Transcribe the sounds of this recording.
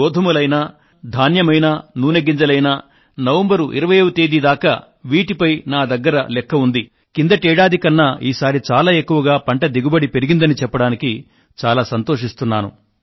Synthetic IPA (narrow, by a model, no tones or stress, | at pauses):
ɔːd̪ʱɐmulɐjna | d̪ʱaːnjɐmɐjnaːnuːneɡind͡ʒɐlɐjnaː | nɐʋembɐɾuʔḭɾɐʋɐjɐwut̪eːd̪id̪aːkɐ̰ | ʋiːʈipɐjnaːd̪ɐɡːɐɾɐlɛkːɐund̪i | kind̪ɐʈɛːɽaːd̪ikɐnːɐiːsaːɾit͡ʃaːlaːekːuʋɐɡaːpɐɳʈɐd̪iɡubɐɽipe̞ɾiɡind̪ɐnit͡ʃɛpːɐɽaːniki | t͡ʃaːlaːsɐnt̪o̞ːʂist̪unːaːnṵ